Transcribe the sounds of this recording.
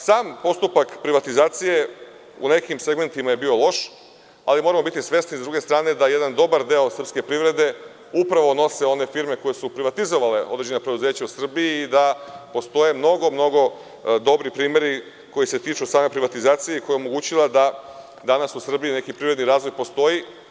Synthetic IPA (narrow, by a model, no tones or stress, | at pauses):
saːmpo̞st̪upakpɾiʋat̪izaːt̪sije̞ | ṵne̞kimse̞ɡme̞nt̪imajebiːo̞lˠo̞ʃ | a̰limo̞ɾamo̞bit̪isʋe̞snizdɾuɡe̞st̪ɾaːne̞d̪ajed̪and̪o̞baɾd̪eosr̩pske̞pɾiʋɾe̞d̪e̞ | upɾaʋo̞no̞se̞o̞ne̞fiɾme̞ko̞jesupɾiʋat̪izo̞ʋaleod̪ɾed͡ʑenapɾed̪uzeːt͡ɕausr̩biiːd̪apo̞st̪o̞je̞mno̞ɡo̞mno̞ɡo̞ | d̪o̞bɾipɾiːme̞ɾi | ko̞jise̞t̪iːt͡ʃusaːme̞pɾiʋat̪izaːt̪sijeiko̞jeomo̞ɡuːt͡ɕilad̪a | d̪anasusr̩biine̞kipɾivɾe̞d̪niɾaːzʋo̞jpo̞st̪o̞ji